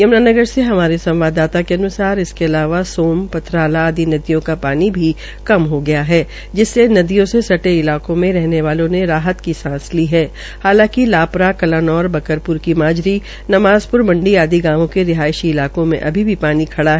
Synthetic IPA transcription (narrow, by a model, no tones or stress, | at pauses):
jɐmnaːnɐɡəɾseɦɐmaːɾesɐ̃mʋaːd̪aːt̪akeɐnʊsaːɾɪskeɐlaːʋasoːmpɐt̪ʰɾaːlaːd̪inɐd̪ijõkapaːnibʱi | kɐmɦoɡɐjaɦɛː | d͡ʒɪsːenɐd̪ijõsesɐʈeɪlaːkõmẽɾɛɦneʋaːlõneɾaːɦət̪kisãːsliːɦɛː | haːlãːkilaːpɾakɐlaːnɔːɾbɐkəɾpʊɾkimaːd͡ʒɾi | nɐʋaːzpʊɾmɐ̃ɳɖiaːd̪ʱiɡãːʋõkeɾɪɦaːjɪʃiɪlaːkõmḛ̃ʔɐ̰bʱibʱipaːnikʰɐɽaɦɛ